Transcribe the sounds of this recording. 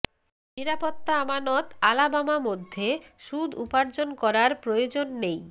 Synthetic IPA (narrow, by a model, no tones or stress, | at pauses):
niɾapot̪ːaamanɔt̪alabamamod̪ʱːeʃud̪ʱupaɾd͡ʑonkɔɾaɾpɾojod͡ʑonːej